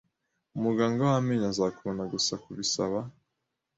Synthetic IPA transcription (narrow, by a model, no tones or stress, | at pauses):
umuɡaːŋɡawameɲazakuonaɡusakuβisaβa